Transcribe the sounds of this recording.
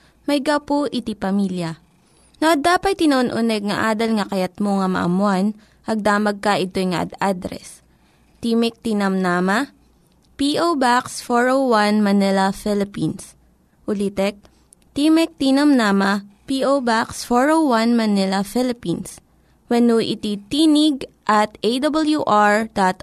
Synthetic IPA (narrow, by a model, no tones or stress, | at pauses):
mɐjɡɐpoʔɪt̪ipɐmiljɐ | noʔɐd̪aːpɐt̪̚ːɪnɐʔonʔʊnɛɡ̚ŋɐʔaːd̪ɐlŋɐkɐjɐt̪̚moŋɐmɐ̰ʔɐ̰mʊan | ʔɐɡ̚d̪aːmɐɡ̚kɐʔɪt̪ojŋɐʔɐ̰d̪ad̪ɾɛ̰s | t̪iːmɛk̚t̪inɐmnamɐ | piʔowbaksfoɹowwanmɐnɛlɐfɪlɪpins | ʔʊlit̪ɛk̚ | t̪iːmɛk̚t̪inɐmnaːmɐpiʔowbaksfoɹowwanmɐnɪlɐfɪlɪpins | wɛnuʔɪ̰t̪it̪iːnɪɡ | ʔɐt̪ʔejd̪ɐbɐljuʔaɹd̪at̪